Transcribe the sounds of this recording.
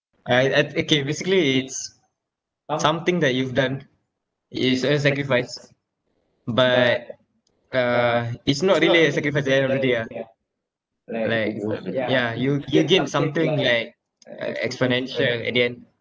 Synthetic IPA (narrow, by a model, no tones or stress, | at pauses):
ʔaaokebesikəliːts | sãmt̪ɪ̃ŋd̪ɛt̚juvdãn | itsəs̬ɛkɹifaɪs | bat̚ | ʌitsnɔt̚ɹiəliəsɛkɹifaɪsdɛɛ̃nɔɹɛdia | laɪkjajujuɡɛt̚sãmt̪ĩŋlaɪk̚ | ʌ̰ɛ̰ksponɛ̃nʃəlɛ̰diɛ̃n